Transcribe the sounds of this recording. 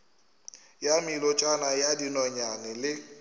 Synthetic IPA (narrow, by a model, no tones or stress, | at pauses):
jamilɔt͡ʃʼanajadinɔɲanɛlɪ